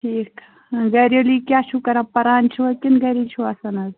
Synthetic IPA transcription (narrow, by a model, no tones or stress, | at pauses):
ʈʰiːk | ɡɐɾjolikʲjaːt͡ʃʰukɐɾɐpɐɾaːnt͡ʃʰuɐkinɡɐɾit͡ʃʰuɐsɐnɐz